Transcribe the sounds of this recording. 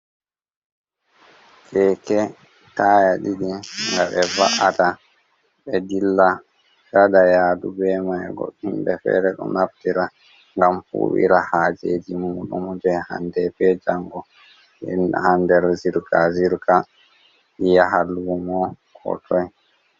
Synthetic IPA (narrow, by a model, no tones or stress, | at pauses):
kɛkɛ | tajaɗiɗiŋɡaɓɛvaʔata | ɓɛdilːa | d͡ʒadajaːdubɛmajɡɔ̰himbɛfɛ̰ːɾɛɗɔ̰naftiɾa | ŋɡamfṵːwḭɾahad͡ʒed͡ʒimuːɗṵmd͡ʒɛha̰ndɛbɛd͡ʒaŋɡɔ | ɛ̰nhandɛɾziɾkaziɾka | ijaɦalumɔ | kʰɔ̰tʰɔj